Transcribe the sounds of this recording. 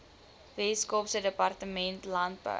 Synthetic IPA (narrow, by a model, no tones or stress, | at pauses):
ðeskopsədəpɑrtəmɛntlant̚bə̰